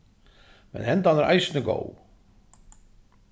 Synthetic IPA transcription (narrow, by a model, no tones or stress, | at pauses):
mɛ̰nhɛnt̪anəɾʔa̰jsnəɡo̰w